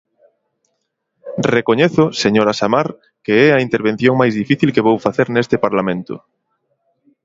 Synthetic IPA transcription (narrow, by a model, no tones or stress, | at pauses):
rekoɲeθʊseɲoɾasamaɾ | keɛɐint̪eɾβ̞ẽn̟θjoŋmajzðifiθilkeβ̞owfaθeɾnest̪epaɾlamẽnt̪ʊ̰